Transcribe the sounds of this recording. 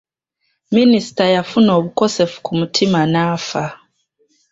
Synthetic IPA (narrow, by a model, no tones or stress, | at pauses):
ministajafunɔβukɔsɛfu̥kumutʰimanafa